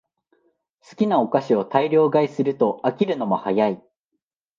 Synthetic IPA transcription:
sɨ̥kʲinao̞kaɕio̞t̪aiɾʲo̞ːɡaisɨɾɯ̟t̪o̞akʲiɾɯ̟no̞mo̞hajai

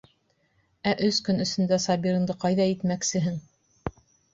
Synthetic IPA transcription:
æʔɵskɵnɵ̆sɵ̆nd̪æsɑbʲiɾɤ̆nd̪ɤqɑjðɑit̪mæksɘ̆ɦɘŋ

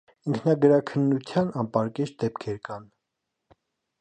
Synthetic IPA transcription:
iŋkʰnɑɡəɾɑkʰənːut̪ʰjɑnɑmpɑɾkɛt͡ʃd̪ɛpkʰɛɾkɑn

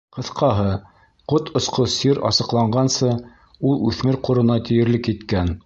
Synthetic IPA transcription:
qɤ̆θqɑɦɤ | qot̪ʰŏsqosiɾɑ̰sɤ̆qlˠɑɴɢɑnsɤ | ulˠʉθmɘɾquɾɤ̆nɑt̪ɘ̆jɘ̆ɾlɘkit̪kæn

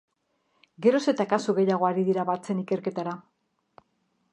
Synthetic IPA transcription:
ɡe̞ɾo̞se̞t̪akasuɣe̞jaɣ̞o̞aɾiðiɾaβat͡se̞nike̞ɾke̞t̪aɾa

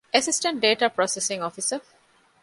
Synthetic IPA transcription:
esisʈə̃ɳʈ̚ɖeːʈaːpɾɔːsesĩŋɔːfisə

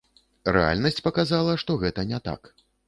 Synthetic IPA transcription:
rɛ̰a̰lʲnɐsʲt͡sʲpɐkazalˠɐʂt̪ɔɣɛt̪ɐnʲɛt̪a̰k

